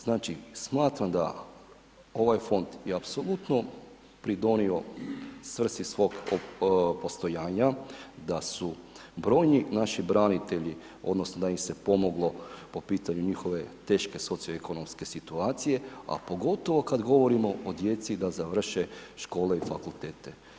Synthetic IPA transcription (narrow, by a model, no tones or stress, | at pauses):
z̥naːt͡ʃismaːt̪ɾamd̪a̰ | o̞ʋajfo̞nd̪jeapso̞lˠut̪no̞ | pɾid̪o̞nio̞sʋr̩sisʋo̞ːɡopo̞st̪o̞jaːɲad̪asu | bɾo̞ːjninaʃibɾanit̪e̞ʎi | o̞̰d̪nosnod̪aimse̞po̞mo̞ɡlˠo̞po̞piːt̪aɲuɲixo̞ʋe̞t̪e̞ːʃke̞so̞t̪sioekʰo̞no̞mske̞sit̪uaːt̪sije̞a̰po̞ɡo̞t̪o̞ʋo̞kad̪ɡo̞ʋo̞ɾimo̞ʔod̪je̞t̪sid̪azaʋr̩ʃeʃko̞ːle̞ifakulˠt̪e̞ːt̪e̞